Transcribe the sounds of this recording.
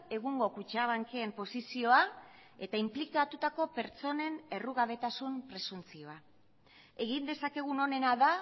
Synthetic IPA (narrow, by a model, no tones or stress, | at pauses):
e̞ɣuŋɡo̞kut͡ʃaβ̞aŋkeːmpo̞sisio̞ae̞t̪aimplikat̪ut̪ako̞pe̞ɾt͡so̞ne̞ne̞ruɣaβe̞t̪asumpɾe̞sunt͡sio̞a | e̞ɣind̪e̞sake̞ɣ̞uno̞ne̞naða